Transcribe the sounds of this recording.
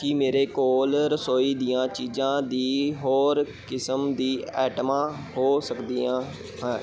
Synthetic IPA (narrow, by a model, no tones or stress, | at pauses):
kiːmeːɾeːkoːlɾəsoːiːd̪ijãːt͡ʃiːd͡ʒãːd̪iːɦoːɾ | kɪsəmd̪iːɛːʈmãː | hoːsəkd̪iːãː | ɦɛ̃ː